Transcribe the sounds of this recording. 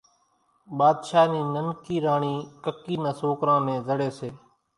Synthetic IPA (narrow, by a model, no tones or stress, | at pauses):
ɓaːd̪ʃaːniːnənkiːɾaːɳiːkəkiːnãːsoːkɾãːnẽːzəɽeːseː